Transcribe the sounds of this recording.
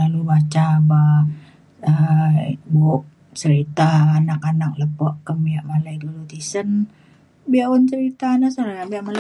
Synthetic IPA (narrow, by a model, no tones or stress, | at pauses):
alubat͡ʃaba | ə | boʔ | t͡ʃəɾit̪aːnakanak̚ləpɔʔkəmiaʔmalaidulut̪isən | biaɔnt͡ʃəɾit̪anasalajaʔbiaʔmal